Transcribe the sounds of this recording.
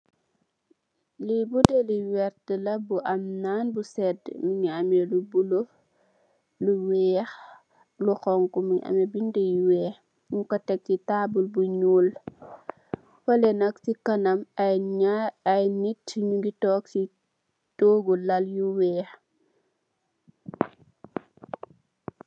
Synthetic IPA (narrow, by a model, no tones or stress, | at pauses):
libudeliwɛɾtəlɐbuʔɐmnaːnbusɛdmiɲɐmɛlubulo | luwɛːx | luxɔŋkumiɲʔɐ̰mɛbindɛjwɛːx | iɲkɔtɛk̚titaːbulbuɲuːl | fɐlɛnɐksikɐnɐmɐjɲaɐjnitɲuɡitɔːk̚si | toːɡulɐljuwɛːx